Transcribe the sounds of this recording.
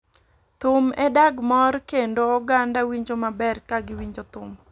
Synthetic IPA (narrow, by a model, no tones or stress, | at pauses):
t̪ʊmɛdaɡmɔrkendoːɡandawiɲd͡ʒomabɛrkaɡɪwiɲd͡ʒot̪ʊm